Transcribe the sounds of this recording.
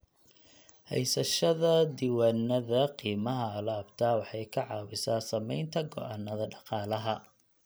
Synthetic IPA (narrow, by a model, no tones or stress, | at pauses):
hɛ̰jsɐʃɐðɐd̪iwaːnɐðɐqiːmɐɦɐlɐːbt̪ʰaːwɑħɑjkʰɐʕɑːwɪsaːsɐmɛjnt̪ʰɐɡɔ̰ʔɑnːɐðɐɖɑqɑːlɐɦɐ